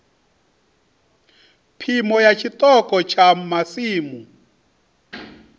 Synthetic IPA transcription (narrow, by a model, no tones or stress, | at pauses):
pʰimɔjat͡ʃʰit̪ɔkʼɔt͡ʃʰamasiːmu